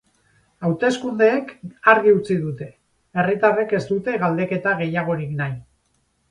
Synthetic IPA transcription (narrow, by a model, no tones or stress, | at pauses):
awt̪e̞skund̪e̞ːkaɾɣiut͡siðut̪e̞ | erit̪areke̞st̪ut̪e̞ɣald̪e̞ke̞t̪aɣ̞e̞jaɣ̞o̞ɾiknaj